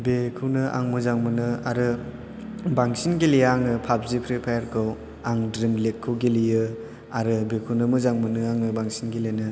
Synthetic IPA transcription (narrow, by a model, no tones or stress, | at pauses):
bekʰɯwnɯʔa̰ŋmɯzaŋmɯnɯaɾɯ | baŋsinɡelijaŋɯpʰabzikʰɾepʰajaɾkʰɯw | aŋdɾimlekʰːɯwɡelijɯ | aɾɯbekʰɯwnɯmɯzaŋmɯnɯaŋɯbaŋsinɡelenɯ